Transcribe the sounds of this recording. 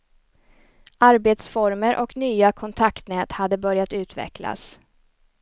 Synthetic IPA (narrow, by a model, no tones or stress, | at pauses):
ʔaɾbeːt̪sfɔɾməɾʔɔ̰knyːakʰɔnt̪ʰakt̪nɛːt̪had̪ːəbœɾjat̪ʉ̟ːt̪vɛ̰kʰla̰s